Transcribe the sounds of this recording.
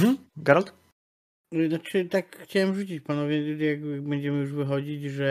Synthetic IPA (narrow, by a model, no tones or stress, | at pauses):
m̩ɡaɾalt̪ | nat͡ʂɘt̪akxt͡ɕawɛmʐut͡ɕit͡ɕpanɔvʲjɛjaɡbɛɲd͡ʑɛmɘjuʐvɘxɔd͡ʑid͡ʑʐɛ